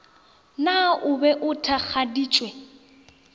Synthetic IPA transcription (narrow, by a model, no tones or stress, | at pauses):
naʊbɛʔʊtʰak͡xʰadiːt͡ʃʼwɛ